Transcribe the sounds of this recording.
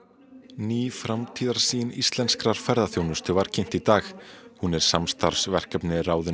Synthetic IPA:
niːfɾamt̪ʰiːðaɾ̥siːɪnist̪lɛnskɾaɾ̥fɛɾðaθjoːwnʏst̪ʏvaɾ̥cʰen̥t̪it̪aːxhunɛɾ̥samst̪aɾ̥svɛr̥kapnɪraːwðʏ

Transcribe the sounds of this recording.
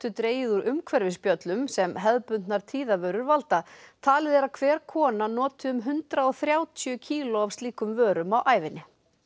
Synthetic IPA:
t̪ʏt̪ɾeːjɪðʏɾʔʏmkʰvɛɾvɪspjœt̪lʏmsɛmɦɛðpʏnnaɾ̥t̪ʰiːðavœːɾʏɾvalt̪at̪ʰaːlɪðɛɾaðkʰvɛːɾ̥kʰɔːnanɔːt̪ʏʏmɦʏnt̪ɾaɔθɾjaːwt̪ʰjʏcʰiːlɔavst̪liːkʏmvœːɾʏmawʔaːjvɪnɪ

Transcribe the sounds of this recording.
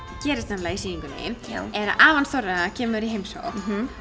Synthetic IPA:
cɛːɾɪst̪namlaisiːiŋkʏnḛjɪɛɾaʔaːvanθɔraacʰɛːmʏɾiɦejmso̰w

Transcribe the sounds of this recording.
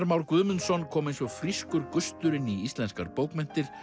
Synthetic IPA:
ɾmawɾkvʏðmʏnsɔnkʰɔːmejnsɔɣfɾiskʏɾkʏst̪ʏɾɪniist̪lɛnska̰ɾpowkmɛn̥t̪ɪɾ̥

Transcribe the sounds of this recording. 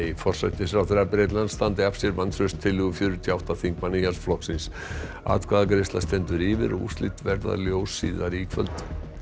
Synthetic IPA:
ifɔr̥sa̰jht̪ɪsɾawθɛɾaɾpɾeːjt̪̬lant̪st̪ant̪ɪafsjɛɾvanθɾʏst̪ʰːɪlːɪɣʏfjʏɾʏt̪ʰiawht̪aθiŋkmanijalsflɔhksɪns | a̰ːt̪kʰaðakɾɪst̪last̪ɛnt̪ʏɾɪvɪ̰ɾṵst̪lit̪vɛɾða̰ljoːwsːiːðaɾiːkʰvœ̰lt̪

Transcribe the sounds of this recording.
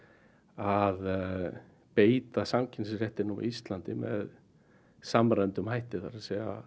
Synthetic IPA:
að | peːjt̪asaŋcʰɪns̬rjɛht̪ɪnuma̰ist̪lant̪ɪmɛ̰ð | samɾant̪ʏmɦajht̪ɪθaɾasɛɣa̰

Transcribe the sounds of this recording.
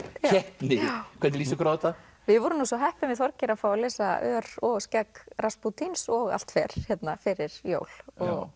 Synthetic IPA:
ɛht̪nɪkʰvɛnt̪ɪlisɪkʰɾawɛt̪a | vɪðvɔːɾʏnusɔɦɛhpʏmɪðθɔɾcɪɾafawalɛsaœːɾɔɣscakɾasput̪ʰinsɔɣa̰l̥t̪fɛɾ̥çɛt̪nafɪɾɪɾ̥jo̰ːwlɔɣ

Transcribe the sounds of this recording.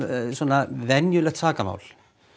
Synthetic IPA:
swɔːnavɛnjʏlɛxt̪ʰaːkama̰ːwl

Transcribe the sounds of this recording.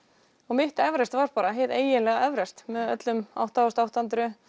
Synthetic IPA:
ɔɣmɪht̪ɛvɾɛst̪vaɾ̥paːɾaɦɪðeːjɪnlɛɣaɛvɾɛst̪mɛðœ̰t̪lʏma̰wht̪awʏst̪awht̪ant̪ɾʏ

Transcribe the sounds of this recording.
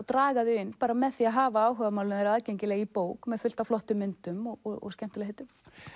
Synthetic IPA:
wt̪ɾaːɣaðʏɪnːpaːɾamɛðθiaðɦaːvaaːwɦœɣvamaːwlʏnɛɾaðcejɲcɪlɛːɣipoːwkmɛðfʏl̥t̪aflɔht̪ʏmːɪnt̪ʏmɔɣɔɔ̰ɣscɛm̥t̪ʏlɛɦet̪ʏm

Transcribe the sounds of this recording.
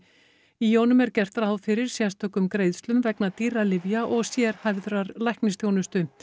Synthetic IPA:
ijoːwnʏmɛɾcɛr̥t̪ɾaawfɪɾɪɾ̥sjɛst̪ʰɔːkʏmkɾeːjðst̪lʏmvɛknat̪iːɾalɪvjaʔɔɣsjɛɾ̥hajvðɾaɾlajhknɪst̪ʰjoːwnʏst̪ʏ

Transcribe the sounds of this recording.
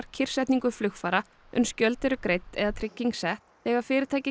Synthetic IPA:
ɾ̥cʰɪr̥sɛjht̪niŋkʏflʏxfaːɾa | ʏ̰mscœlt̪ɛɾʏkɾejt̪ɛðat̪ʰɾɪcːiŋksɛht̪θɛːɣafɪːɾɪt̪ʰaːjcɪ

